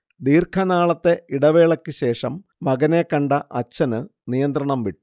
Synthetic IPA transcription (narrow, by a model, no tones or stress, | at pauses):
d̪iːrkʰɐnaːɭɐt̪ːe̞iɽɐʋe̞ːɭɐkːɨɕe̞ːʂɐmː | ɐɡɐne̞kːɐɳɖɐʔɐt͡ɕːɐnɨnijɐnd̪rɐɳɐmʋiʈːu̥